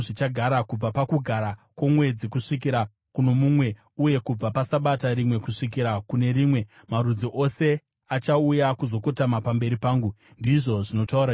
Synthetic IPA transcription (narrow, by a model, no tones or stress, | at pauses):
ʐit͡ʃaɡʱaɾakub͡vapakuɡʱaɾakwo̞mwe̞d͡zikuʂik̬iɾa | kuno̞mumwe̞ | uje̞kub͡vapasaɓataɾimwe̞kuʂik̬iɾakune̞ɾiːmwe̞ | marud͡ziʔo̞se̞ | at͡ʃaujakuzo̞ko̞tamapambe̞ɾipaːŋɡu | ndiʐo̞ʐino̞tauɾa